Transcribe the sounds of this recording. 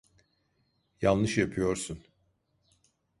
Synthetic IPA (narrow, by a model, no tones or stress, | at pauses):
janˠnɯʃjapʰɯjo̞ɾsun